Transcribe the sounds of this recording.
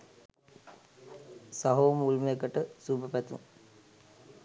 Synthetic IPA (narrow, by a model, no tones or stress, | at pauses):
saɦoːmulmjekəʈəsubəpæt̪ṵŋ